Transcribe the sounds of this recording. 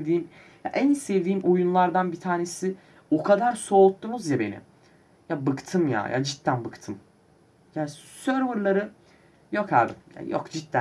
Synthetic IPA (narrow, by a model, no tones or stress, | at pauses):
evd̪iːm | ja̰ʔænisevd̪iːmʔojunlˠaɾd̪anbit̪ʰaːne̞sɪ | okʰad̪aɾso̞ːt̪ːunuzjabe̞nɪ̰ | jabɯkt̪ʰɯmja̰ja̰d͡ʒit̪ːænbɯkt̪ʰɯm | jasøɾvɯɾlˠaɾɯ | jokʰa̰ːbḭja̰jo̰kd͡ʒit̪ːæ